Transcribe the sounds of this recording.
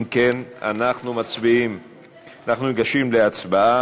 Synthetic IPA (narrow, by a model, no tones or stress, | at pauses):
mkena̰naχnumat͡sbiim | anaχnumeɡaʃimleat͡sbaa